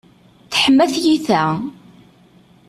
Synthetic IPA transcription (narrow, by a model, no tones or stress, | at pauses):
θə̥ħmːæθjiθæ